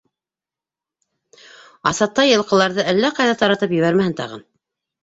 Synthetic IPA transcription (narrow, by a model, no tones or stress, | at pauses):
ɑ̰sɑt̪ːɑjɤ̆lˠqɤ̆lˠɑɾðɤʔælːæqɑjðɑt̪ɑɾɑt̪ɤpjɘ̆βæɾmæhɘnt̪ɑ̰ʁɤ̰n